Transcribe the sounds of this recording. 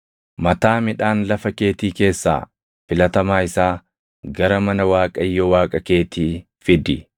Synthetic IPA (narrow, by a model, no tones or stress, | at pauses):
mɐt̪aːmɪᶑaːnlɐfɐke̞ːt̪iːke̞ːsːa̰ː | fɪlɐt̪ɐmaːɪsaː | ɡɐɾɐmɐnɐwaːkʼɐjːɔwaːkʼɐke̞ːt̪iː | fɪd̪ɪ